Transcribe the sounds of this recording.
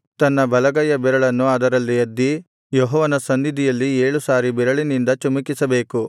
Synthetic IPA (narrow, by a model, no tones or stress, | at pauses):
t̪ɐnːɐbɐlɐɡɐjɐbɛɾɐɭɐnːuɐd̪ɐɾɐlːiɐd̪ːi | jɔɦɔːʋɐnɐsɐnd̪id̪ijɐlːieːɭusaːɾibɛɾɐɭinind̪ɐt͡ʃɐmikisɐbe̞ːku